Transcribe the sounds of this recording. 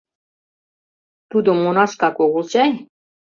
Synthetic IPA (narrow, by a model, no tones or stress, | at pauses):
t̪ud̪omːonɑʃkɑkoɣulˠt͡ɕɑj